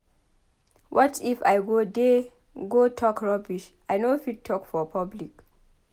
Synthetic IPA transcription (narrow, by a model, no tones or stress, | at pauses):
wʔɔtifajɡode | ɡotʰɔkɹɔbiʃ | ajnofid̚tʰːɔkfɔpʰablik